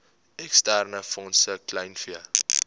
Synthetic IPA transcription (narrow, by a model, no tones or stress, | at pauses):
ɛkstærnəfɔnsəklɐjnfiə